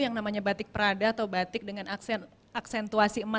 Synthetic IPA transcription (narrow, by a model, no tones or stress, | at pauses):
jaŋnamaɲabat̪ɪk̚pəɾadaːt̪awbat̪ɪk̚dəŋanasn | aksɛnt̪uasiəma